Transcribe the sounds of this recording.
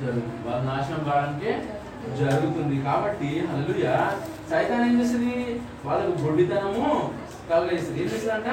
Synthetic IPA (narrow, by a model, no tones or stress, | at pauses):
d͡ʒɐɾuɡut̪uniʋaːlɐnaːʃɐmbaːɐniʈeː | d͡ʒɐɾuɡut̪und̪ikaːbɐʈːiɦɐleluːjaː | sɐjt̪aːnɐnd͡ʒesind̪i | ʋaːɭːɐkuɡʱoɽid̪ɐnɐmu | kɐlːeːsɐeːneːsɐɐɳʈe